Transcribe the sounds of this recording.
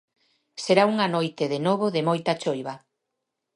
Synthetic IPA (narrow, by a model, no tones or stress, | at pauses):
seɾauŋanojt̪eðenoβ̞oðemojt̪at͡ʃojβɐ